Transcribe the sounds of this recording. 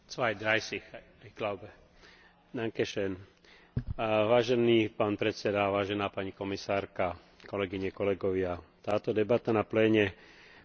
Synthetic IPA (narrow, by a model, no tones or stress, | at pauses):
t͡sʋajd̪ɾajsix | ajklaʊbɛ | naŋkɛʃɛn | ʋaːʒɛniːpaːnpɾɛt̪t͡sɛd̪aʋaːʒɛnaːpaɲikɔmisaːɾka | kɔlɛɡiɲɛkɔlɛɡɔʋɪat̪aːt̪ɔd̪ɛbat̪anaplɛːɲɛ